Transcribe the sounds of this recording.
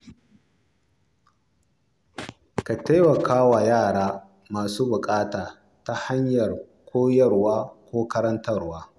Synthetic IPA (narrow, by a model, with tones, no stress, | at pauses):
ka˨ta˦jwɐ˨kʰaː˦wa˨jaː˦˨ɽaː˦ | maː˨suː˦bʊ˨kʼaː˦taː˨ | ta˦ha˦ɲjɐ˨r | kʷoː˦jɐ˦˨rwaː˦kʷoː˦kɐ˦ɾɐ˦ntɐ˦˨rwaː˦